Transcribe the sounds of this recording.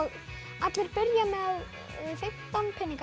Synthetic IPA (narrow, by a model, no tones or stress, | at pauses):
ɣ | at̪lɪɾpɪɾjamɛð | fɪm̥t̪anpʰɪnːɪŋk